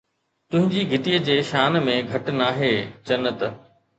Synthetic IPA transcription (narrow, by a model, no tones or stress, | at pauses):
t̪ʊ̃ɦɪ̃ɲd͡ʑiɡʱɪt̪iːəd͡ʑeːʃaːnmẽɡʱɐʈnaːɦeːd͡ʑɐnət̪